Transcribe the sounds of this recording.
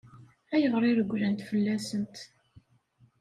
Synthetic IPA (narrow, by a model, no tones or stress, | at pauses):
æjəʁəɾˤɪɾəɡʷːlænt̪fəlːæsənt̪